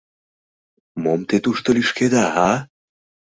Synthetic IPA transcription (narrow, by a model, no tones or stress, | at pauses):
momt̪et̪uʃt̪oliʃked̪aɦa